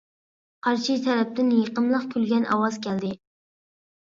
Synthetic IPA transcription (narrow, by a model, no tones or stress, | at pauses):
qʰɑɾʃit̪ʰɛɾɛp̚t̪ɪnjəqəmlˠəqkʲʰylɡʲɛnʔɑ̰wɑzkʲʰɛld̪ɪ